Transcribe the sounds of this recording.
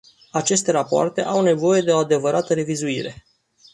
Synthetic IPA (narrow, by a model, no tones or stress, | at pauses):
at͡ʃe̞st̪e̞ɾapoa̰rt̪e̞ʔawne̞vo̞je̞d̪e̞o̞ad̪e̞vəɾat̪əɾe̞vizuiɾe̞̰